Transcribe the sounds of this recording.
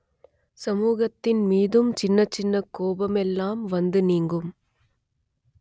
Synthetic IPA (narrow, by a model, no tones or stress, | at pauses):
sɐmuːɣɐt̪ːɪnmiːðɯmt͡ʃɪnːɐt͡ʃːɪnːɐkːoːbɐmɛlːaːmʋɐnd̪ɯniːŋɡɯm